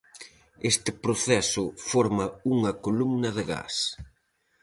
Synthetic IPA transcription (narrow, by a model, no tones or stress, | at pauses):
est̪ɪpɾoθɛsʊfɔɾmɐuŋɐkolumnɐðɪɣa̰s